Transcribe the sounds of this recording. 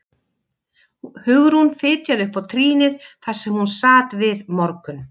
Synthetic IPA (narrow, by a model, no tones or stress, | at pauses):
hʏɣɾhunfɪːt̪jaðʏhpawt̪ʰɾiːnɪɾ̥θaɾ̥sɛmhunsaːt̪vɪðmɔɾkʏn